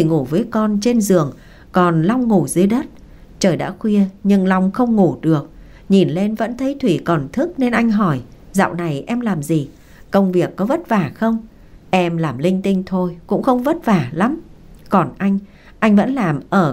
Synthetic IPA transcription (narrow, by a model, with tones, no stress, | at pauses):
t̪ʰi˨˩ŋu˧˩vəː˨˦jkɔ˧nt͡ɕe˧nzɨ˨˩əŋ | kɔ˨˩nla˧wŋ͡mːu˧˩zɨ˧˨əjɗə˦˥t̚ | t͡ɕəː˨˩jɗa̰ː˧˥xwi˧əɲɨ˧ŋla˧wŋ͡mxə˧wŋ͡mŋu˧˩ɗɨ˨˩ək̚ | ɲi˨˩nle˧nvə̰˧˥nt̪ʰə˨˦jt̪ʰwi˧˩kɔ˨˩nt̪ʰɨ˦˥k̚ne˧nʔa˧jŋ̟ɦɔ˧˩j | za̰ː˧˨wna˨˩jʔɛ˧mlaː˨˩mzi˨˩ | kə˧wŋ͡mvi˨˩əkːɔ˨˦və˦˥t̚vaː˧˩xə˧wŋ͡m | ʔɛ˧mlaː˨˩mlï˧ŋ̟t̪ï˧ŋ̟t̪ʰo˧jkʊ̰˧˥ŋ͡mxə˧wŋ͡mvə˦˥t̚vaː˧˩la˨˦m | kɔ˨˩nʔa˧jŋ̟ | ʔa˧jŋ̟və̰˧˥nlaː˨˩mʔəː˧˩